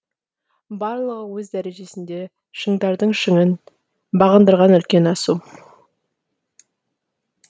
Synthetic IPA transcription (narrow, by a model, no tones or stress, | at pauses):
bɑɾlˠəʁəwɵzd̪æɾe̞ʒe̞sɪnd̪e̞ | ʃəŋd̪ɑɾd̪əɴʃəŋən | bɑʁənd̪əɾʁɑnʏlkʲe̞nɑsu